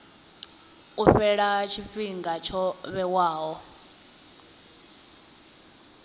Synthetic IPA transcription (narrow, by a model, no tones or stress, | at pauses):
uɸɛɺat͡ʃʰiɸiŋɡat͡ʃʰɔβɛwaːɦɔ